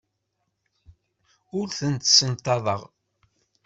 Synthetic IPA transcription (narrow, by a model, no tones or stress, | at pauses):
ʊɾθənt̪sənt̪ːɑðˤəʁ